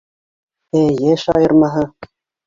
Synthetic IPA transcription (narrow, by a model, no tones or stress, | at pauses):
ejeʃɑjɤ̆ɾmɑɦɤ̆